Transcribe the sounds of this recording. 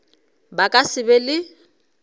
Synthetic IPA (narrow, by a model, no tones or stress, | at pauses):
bakʼasɪbɛlɪ